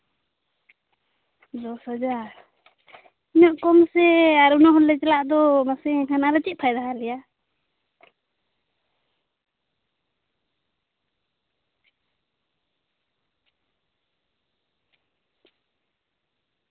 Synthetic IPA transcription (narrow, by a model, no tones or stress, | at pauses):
d̪ɔshad͡ʒaɾ | iɲɔʔkɔmsɛaɾunaɦɔlːɛt͡ʃɛlaʔd̪ɔmasɛkʰanaɾɛt͡ʃit̪̚pʰajd̪aɦalɛja